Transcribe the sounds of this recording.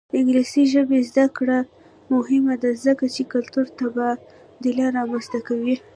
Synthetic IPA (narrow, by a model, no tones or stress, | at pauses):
d̪ɪŋɡlisiʒəbezd̪akɽa | mʊhɪmad̪azəkat͡ʃekʊlt̪uɾt̪aba | d̪əlɑɾɑmanst̪akawi